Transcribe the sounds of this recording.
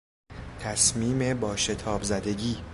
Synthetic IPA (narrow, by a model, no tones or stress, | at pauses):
t̪ʰæsmiːme̞bɒːʃe̞t̪ʰɒːbzæd̪e̞ɟiː